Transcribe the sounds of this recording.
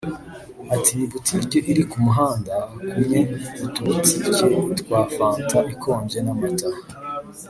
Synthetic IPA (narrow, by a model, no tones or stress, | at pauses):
atinibutʰikeʔiɾikumuɦaːndakumɲe̞utut͡sicetkwaːfaːntaʔikʰo̞ːɲɟe̞namataha